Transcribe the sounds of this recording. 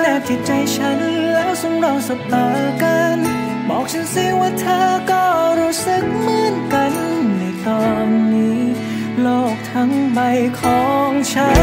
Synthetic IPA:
naː˧˩t͡ɕi˨˩t̪̚t͡ɕa˧jt͡ɕʰa˦˥nlɛː˦˥wso˧˥ŋɾɔː˧˩ŋsa˨˧˥p̚t̪aː˨˩ka˧n | bɔ̰ː˨˩k̚t͡ɕʰa˦˥nsiː˧˥ŋwaː˧˩t̪ʰaː˧˩kɔː˧˩ɾuː˦˥sɯ˨˧k̚mɯː˧˥nka˧nːa˧˩t̪ɔː˧nːiː˦˥ | loː˧˩k̚t̪ʰa˧˥ŋba˧jkʰɔː˨˩˦ŋt͡ɕʰa˦˥

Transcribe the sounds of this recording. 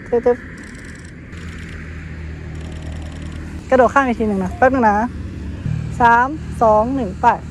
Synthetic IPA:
t̪ʰɯ˧˩t̪ʰɯ˧˥p̚ | ka˧doː˨˩kʰaː˥˩ŋa˧t̪ʰiː˧nɯ˨˩ŋna˧˥pa˧˥p̚nɯ˧˨na˧˥ | saː˨˩˦msɔː˨˩˦ŋnɯ˨˩ŋpɛː˨˩t̪̚

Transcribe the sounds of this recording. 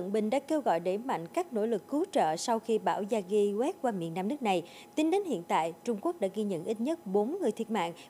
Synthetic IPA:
ə̰˧˨nɓï˨˩ŋ̟ɗa̰ː˧˥ke˧wɣɔ̰˧˨jɗe˧˩ma̰˧˨jŋ̟kaː˦˥k̚no̰˧˥lɨ˨˩kːu˨˦t͡ɕə̰ː˧˨sa˧wxi˧ɓaː˧˩wzaː˧ɣi˧wɛ˦˥p̚kwaː˧mḭ˧˨ənaː˧mnɨ˦˥ək̚na˨˩j | t̪i˨˦nɗe˨˦nhḭ˧˨ənt̪a̰ː˧˨jt͡ɕʊ˧ŋ͡mku˦˥ək̚ɗa̰ː˧˥ɣi˧ɲə̰˧˨nʔi˦˥t̚ɲə˦˥t̚ɓo˨˦nŋɨ˨˩əjt̪ʰi˨˩ət̚ma̰ː˧˨ŋʔ

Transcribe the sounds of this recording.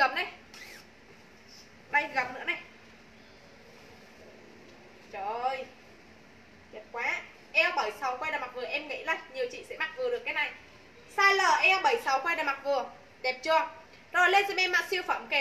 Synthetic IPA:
kə˨˧˩mna˨˩j | ɗa˧jɣa˨˩m̚nɨ̰˧˥əna˨˩j | t͡ɕo˨j | zɛ˨˩t̚kwaː˨˦ | ʔɛ˧wɓə˧˩jsa˨˦wkwa˧jɗaː˨˩jma˨˩k̚vɨ˨˩əʔɛ˧mŋḭ˧˥lə˧˩jɲi˨˩əwt͡ɕḭ˧˨sɛ̰˧˥ma˨˩t̚vɨ˨˩əɗɨ˨˩əkːaː˨˦jna˨˩j | saː˧jləː˨˩ʔɛ˧wɓə˧˩jsa˨˦wkwa˧ɗa˨˩jma˨˩t̚vɨ˨˩ə | ɗɛ˨˩p̚t͡ɕu˨˧˩ə | zo˨˩jle˧sɛ˧mɛ˧mːa̰ː˧˥si˧wfə˧˩mke˨˩

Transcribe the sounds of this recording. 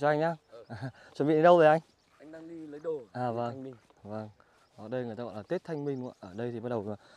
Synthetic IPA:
t͡ɕɔ˧ʔa˧jŋ̟ʔaː˧ʔaː˨˩ | t͡ɕɔ˨˩nɓḭ˧˨ɗe˨˦ɗə˧wvəː˨˩jʔa˧jŋ̟˧ | ɗŋi˧lə˨˦ɗʔaː˨˩və˧˩ŋ˧ | və˧˩ŋ | ɔ˨˦ɗə˧jŋɨ˨˩taː˧ɔ̰˧˨la˨˩i˦˥t̚t̪ʰa˧ŋmï˧ŋʔə˦ʔəː˧˩ɗə˧jt̪ʰi˨˩ɓa˦t̚ɗə˨˩waː˨˩

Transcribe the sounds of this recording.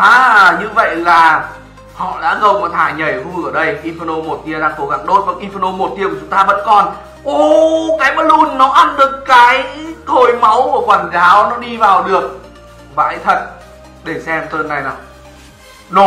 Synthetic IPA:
ʔaː˨˩ɲɨ˧və̰˧˨jlaː˨˩ | hɔ̰˧˨ɗa̰ː˧˥ɣə˧˩wmaː˨˩t̪ʰaː˧˩ɲə˨˩jhu˧ʔəː˧˩ɗə˧jʔi˧fə˧no˧mo˨˩t̚t̪i˧əɗaː˧ŋko˧˩ɣa˧˩ŋɗo˦˥t̚vaː˨˩ŋʔi˧fə˧no˧mo˨˩t̚t̪i˧əkt͡ɕʊ˨˦ŋ͡mt̪aː˧və̰˧˥nkɔ˨˩n | ʔo˨˩kaː˨˦jɓə˨˦t̚lu˧nːɔ˨˦ʔa˧nɗɨ˨˩əkːaː˨˦jt̪ʰo˨˩jma˨˦wku˧˩əkwaː˨˩nzaː˨˦wnɔ˨˦ɗi˧vaː˨˩wɗɨ˨˩ək̚ | va̰ː˧˦jt̪ʰə˨˩t̚ | ɗe˧˩sɛ˧mt̪əː˧nːa˨˩jna˨˩ | nɔ˨˦

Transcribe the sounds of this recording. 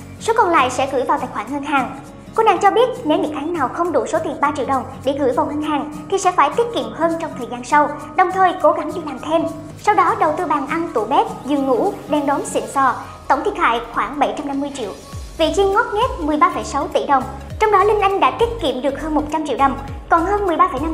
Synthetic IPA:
so˨˦kɔ˧nla̰ː˧˨jsɛ̰˧˥ɣɨ̰˧˩jvaː˨˩wt̪aː˧˨˩jxwaː˧˩nŋəː˧nɦaː˨˩ŋ | kɔ˧na̰ː˧˨ŋt͡ɕɔ˧ɓi˦˥ət̚ne˨˦wɲɨ̰˧˥ŋkaː˨˦jŋnaː˨˩wxə˧wŋ͡mɗu˧˩so˨˦t̪i˨˩ənɓaː˧t͡ɕḭ˧əwɗə˨˩wŋ͡mɗe˧˩ɣɨ̰˧˩jvaː˨˩wŋə˧nɦaː˨˩ŋt̪ʰi˨˩sɛ̰˧˥faː˧˩jt̪i˦˥t̚kḭ˧˨əmhəː˧nt͡ɕɔ˧wŋ͡mt̪ʰəː˨˩jzaː˧nsa˧w | ɗə˨˩wŋ͡mt̪ʰəː˨˩jko˨˦ɣa˨˦ŋɗḭ˧˨laː˨˩mt̪ʰe˧m | sa˧wɗɔ˨˦ɗə˨˩wt̪ɨ˧ɓaː˨˩ŋʔa˧nt̪u˧˩ɓɛ˦˥t̚zu˧˩ŋṵ˧˥ɗɛ˧nɗɔ˨˦msḭ˧˨nsɔ˧˩ | t̪o˧˩ŋ͡mt̪ʰi˧˨˩t̚ɦa̰ː˧˨jxwaː˧˩ŋɓə˧˩jt͡ɕa˧mna˧mːɨ˧əjt͡ɕḭ˧˨əwvḭ˧˨t͡ɕi˧ŋŋɔ˦˥t̚ɲe˦˥t̚mɨ˨˩əjɓaː˧fə˧˩jsa˨˦wt̪ḭ˧˨ɗə˨˩wŋ͡m | t͡ɕɔ˧wŋ͡mɗɔ˨˦lï˧ŋ̟ʔa˧jŋ̟ɗa̰ː˧˥t̪i˦˥t̚kḭ˧˨əmɗɨ˨˩ək̚həː˧nmo˨˩t̚t͡ɕa˧mt͡ɕḭ˧˨wɗə˨˩wŋ͡mkɔ˨˩nhəː˧nmɨ˨˩əjɓaː˧fə˧˩jna˧

